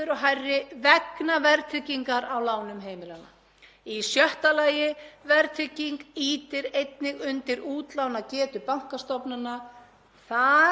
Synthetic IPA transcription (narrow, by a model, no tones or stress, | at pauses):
ɪɾɔɦajrːɪvɛknavɛɾt̪ʰɾɪciŋkaɾawlaːwnʏmɦeːjmɪlana̰ | isjœht̪alaːjɪvɛɾt̪ʰɾɪciŋkiːt̪ɪɾejt̪nɪɣʏnt̪ɪɾuːt̪lawnacɛːt̪ʏpawŋ̥kast̪ɔpnanːa | θa